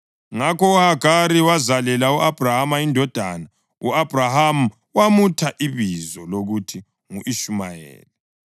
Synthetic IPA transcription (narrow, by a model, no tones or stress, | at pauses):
ŋakɔuhaɡaɾiwazalɛlauʔab̥ʱrahamaindʱɔd̥ʱana | uab̥ʱrahamu | wamutʰaʔiβizɔloɣutʰi | ŋuʔiʃumajɛ̰ːli